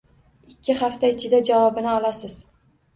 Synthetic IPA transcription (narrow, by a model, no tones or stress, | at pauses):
ɪkʲʰːɪχaft̪aɪt͡ʃʰɪd̪ad͡ʒavɒbɪnɪɒlasɪz̥